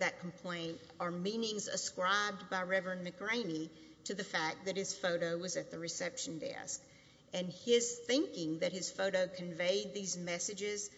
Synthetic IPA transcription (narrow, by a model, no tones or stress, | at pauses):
ðɨt̚kʰm̩pʰl̥ẽɪ̃nt | ə˞mĩnɪ̃ŋzɨ̰skɹaɪb̚baɪɹɛvɹɨ̃nmɨkɹẽɪ̃ni | ɾɨðɨfæk̚ðɨt̚hɨz̥foʊɾoʊwʌzɨt̪̚ðɨɹɨsɛpʃn̩dɛ̰sk̚ | ɨ̃nɪz̥θɪ̃ŋkɪ̃ŋðɨt̚hɨz̥foʊɾoʊkʰɨ̃ɱveɪd̪̚ðizmɛsɨd͡ʒɪz̥